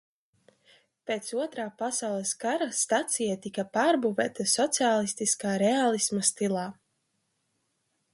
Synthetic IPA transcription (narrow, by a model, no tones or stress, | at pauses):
peːt̪suɔt̪ɾaːpasawlˠɛskaɾast̪at̪sijat̪ikapaːɾbuvʲɛːt̪asɔt̪siaːlˠist̪iskaːɾɛalˠismast̪ilˠaː